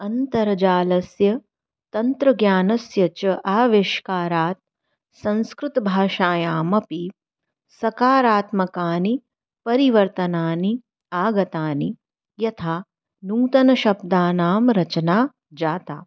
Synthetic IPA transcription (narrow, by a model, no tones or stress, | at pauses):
ɐnt̪ɐɾɐd͡ʒaːlɐsjɐ | t̪ɐnt̪ɾɐɡjaːnɐsjɐt͡ʃɐʔaːʋeʃkaːɾaːt̪̚ | sɐ̃nskɾut̪ɐbʱaːʃaːjaːmɐpi | sɐkaːɾaːt̪mɐkaːni | pɐɾiʋɐɾt̪ɐnaːni | aːɡɐt̪aːni | jɐt̪ʰaː | nuːt̪ɐnɐʃɐbd̪aːnaːmɾɐt͡ʃɐnaː | d͡ʒaːt̪a̰ː